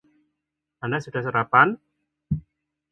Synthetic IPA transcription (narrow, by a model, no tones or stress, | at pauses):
andasuɖ̥a̤hsəɾapan